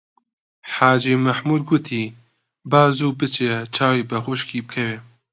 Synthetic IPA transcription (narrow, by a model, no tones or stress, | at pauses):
ħaːd͡ʒiːmaħmuːd̪̚ɡʊt̪ʰiː | baːzuːbɨt͡ʃʰet͡ʃʰaːwiːbɐxʊʃkiːbɨkʰɛweː